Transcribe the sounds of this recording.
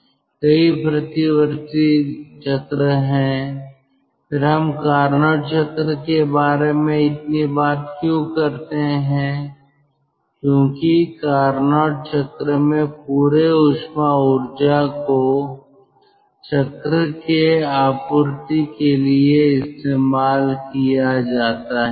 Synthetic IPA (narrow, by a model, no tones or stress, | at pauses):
kɐipɾɐt̪ɪʋəɾt̪it͡ʃʰɐt̪ɾəɦɛ̃ | pʰɪɾɦɐmkaːɾnaːʈt͡ʃʰɐt̪ɾəkebaːɾemẽɪt̪nibaːt̪kjõkɐɾt̪eɦɛ̃ | kjõːkikaːɾnaːʈ̚t͡ʃɐt̪ɾəmẽpuːɾeʊʃmaʊɾd͡ʒako | t͡ʃɐt̪ɾəkeaːpʊɾt̪ikelieɪst̪eːmaːlkijad͡ʒaːt̪aɦɛ